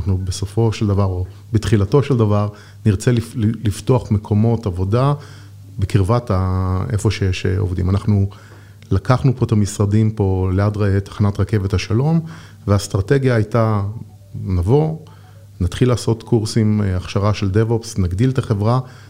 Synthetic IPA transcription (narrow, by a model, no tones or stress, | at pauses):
aχnubeso̞fo̞ʃeld̪avaʁo̞ | bet̪χilato̞ʃeld̪avaʁ | niʁt͡se̞lilifto̞aχme̞kʰo̞mo̞tavo̞da | bekiʁvataʔefo̞ʃejeʃo̰vdḭmanaχnu | lakaχnupo̞t̪amisʁadimpo̞leadʁt̪ḁχanatʁake̞vethaʃalo̞m | veast̪ʁate̞ɡjaːjta | navo̞ | nat̪χilaːso̞tkʰuʁsimaχʃaʁaʃeld̪evopsnaɡdilt̪aχe̞vʁa